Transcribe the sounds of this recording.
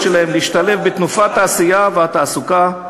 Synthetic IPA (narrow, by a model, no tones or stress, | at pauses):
ʃelahemliːʃt̪ale̞fbet̪nufat̪aːsijaveat̪aːsuka